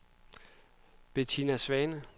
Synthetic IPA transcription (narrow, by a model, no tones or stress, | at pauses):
b̥et͡sʰinæsʋɛnə